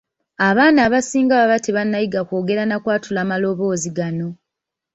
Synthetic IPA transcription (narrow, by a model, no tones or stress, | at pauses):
aβaːnaːβasiːŋɡaβaβateβanːajiɡako̞ːɡe̞ɾanakwaːtʰulaːmalo̞βo̞ːziɡano̞